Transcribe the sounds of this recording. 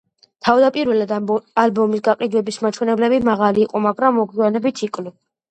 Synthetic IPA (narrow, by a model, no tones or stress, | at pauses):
t̪ʰavd̪apʼiɾwɛlad̪albɔmisɡaqʼid̪wɛbismat͡ʃʰwɛnɛblɛbimaʁaliːqʼɔmaɡɾamːɔɡianɛbit̪ʰikʼlu